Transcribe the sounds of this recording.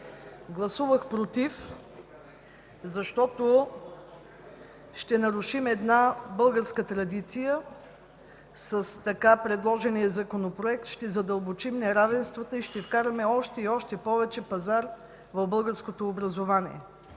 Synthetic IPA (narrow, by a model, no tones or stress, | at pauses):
ɡlˠɐsuvəxpɾot̪if | zɐʃt̪ɔt̪o | ʃt̪ɛnɐɾuʃimɛd̪nabɤlˠɡəɾskət̪ɾɐd̪it̪sijə | səst̪ɐkapɾɛd̪lˠɔʒɛnijəzɐkonopɾoɛk̚t̪ʃt̪ɛzɐd̪ɐlˠbot͡ʃimnɛɾavɛnst̪vət̪əiʃt̪ɛfkaɾɐmɛɔʃt̪ɛiɔʃt̪ɛpɔvɛt͡ʃɛpɐzaɾ | vɐvbɤlˠɡəɾskot̪oːbɾɐzovaniɛ̰